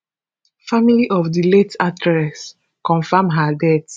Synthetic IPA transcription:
familiʔɔfdiletatɹɛs | kɔ̃nfamɦadɛt

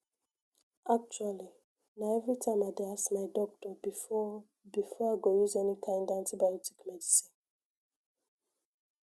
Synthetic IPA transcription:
ak̚t͡ʃuali | naɪɛvɹitʰãɪ̃maɪdeasmaɪdɔk̚tɔbiɔ | bifɔaɪɡojuzɛnikʰãɪ̃ndãntibajɔtikmɛdisĩn

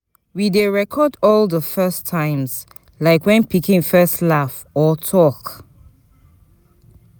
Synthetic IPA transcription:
wideɹɛkʰɔdɔlðəfɜstʰãɪ̃mz̥ | laɪkwɛ̃npʰikĩnfɜstlaf | ɔtʰɔk

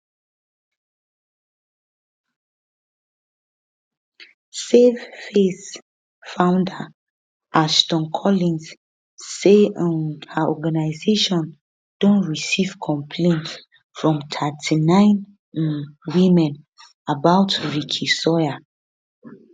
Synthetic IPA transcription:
seffes | fãʊ̃ndə | ʔaʃtɔ̃nkʰɔlĩns | seə̃nhəʔɔɡanaɪzeʃɔ̃n | d̥õnɹisiv̥kʰɔ̃mpʰlẽnt | fɹɔ̃mtʰatʰinãɪ̃n | wĩmɛ̃n | abaʊtɹikʰisɔa

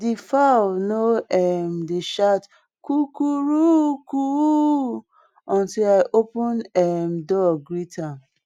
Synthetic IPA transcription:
difawnoɛmdeʃat | kukuɹuku | ɔ̃ntilaɪʔopũnɛmdɔɡɹitʰã

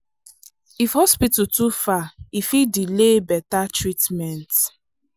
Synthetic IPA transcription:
ifhɔspitutufaifidilebɛtatɹitmɛ̃nt

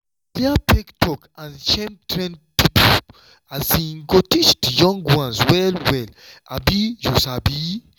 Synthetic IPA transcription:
plɛapɛktʰɔkãnt͡ʃɛ̃mtɹɛ̃npipʰo | azĩŋɡotit͡ʃdjɔ̃ŋɡwãnswɛlwɛla̰bijũsabi

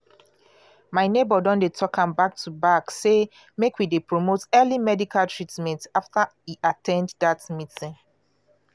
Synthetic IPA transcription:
maɪnebɔdɔ̃ndetʰɔkʰãmbak̚tʰubakse | mekʰwidepɹomotɛlimɛdikʰaltʰɹitmɛ̃ntaftaiʔatʰɛ̃nddatmitĩn

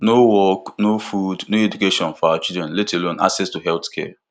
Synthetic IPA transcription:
nowɔknofudnoedukeʃɔ̃nfɔat͡ʃidɾɛ̃nletelõna̰ksɛstuɦɛltkʰɛ

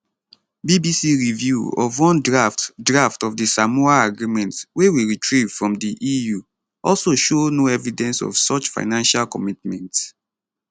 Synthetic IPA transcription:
bibisiɹivjuɔ̰vwɔ̃ndɹaftdɹaftɔvdisamuaaɡɹimɛ̃ntwewiɹitʰɹiv̥fɹɔ̃mdiʔiju | ɔlsoʃonoɛvidɛ̃nsɔ̰v̥sɔt͡ʃfa̰ɪnãnʃalkɔmitmɛ̃nts

